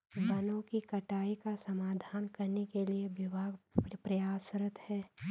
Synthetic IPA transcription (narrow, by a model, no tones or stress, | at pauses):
bɐnõkikɐʈaːikasɐmaːd̪ʱaːnkɐɾnekelieʋɪbʱaːɡpɾəjaːsəɾət̪hɛː